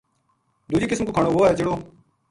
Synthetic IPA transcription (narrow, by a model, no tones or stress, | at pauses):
d̪uːd͡ʒiːkɪsmkoːkʰaːɳoːʋoːaːɦeːt͡ʃeɽoː